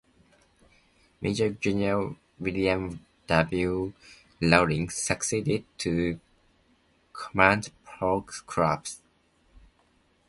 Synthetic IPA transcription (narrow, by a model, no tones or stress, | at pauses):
mʔed͡ʒəd͡ʒinəl | wiliə̃m | d̥ʌblju | loʊdɪ̃ŋsəksidɪd̚tʰu | kʰɔmãndpʰɹɔkskʰɹa̰ps